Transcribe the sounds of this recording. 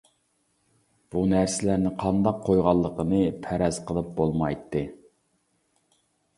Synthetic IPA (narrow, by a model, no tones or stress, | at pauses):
b̥unæɾsɪlæɾnɪqʰɑnd̪ɑqʰːojʁɑlˠːəqənɨpʰæɾɛz̥qʰəlˠɨp̚bolˠmɑjt̪ʰːɨ